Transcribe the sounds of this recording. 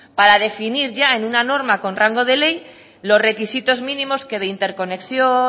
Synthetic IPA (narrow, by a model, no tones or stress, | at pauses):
paɾað̞e̞finiɾʝae̞nunano̞ɾmako̞nraŋɡo̞ð̞e̞le̞j | lo̞sre̞kisit̪o̞zmĩnĩmo̞ske̞ð̞eint̪e̞ɾko̞ne̞ksjo